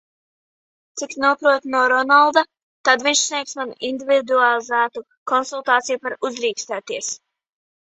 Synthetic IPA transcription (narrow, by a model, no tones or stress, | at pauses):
t̪siksnuɔpɾuɔt̪nuɔɾɔnalˠd̪a | t̪ad̪viɲʃsniɛksmanind̪ʲivid̪ualˠizæːt̪u | kɔnsulˠt̪aːt̪sijupaɾuzɾiːkst̪æːt̪iɛs